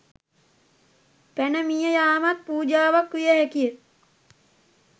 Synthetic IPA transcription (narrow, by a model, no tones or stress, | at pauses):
pænəmijəjaːmat̪̚puːd͡ʒaːʋakʋijəɦɛkijə